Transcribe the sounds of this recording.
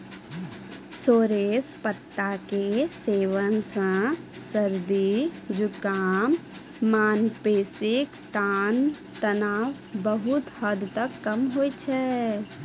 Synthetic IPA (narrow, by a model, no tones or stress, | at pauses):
soːɾeːspət̪ːakeseːʋənsə̃ | səɾd̪id͡ʒʊkaːmː | aːnpeːsɪk | t̪aːn | t̪ɐnaːʋ | bəɦʊt̪həd̪t̪əkːɐmɦoːit͡ʃʰɛ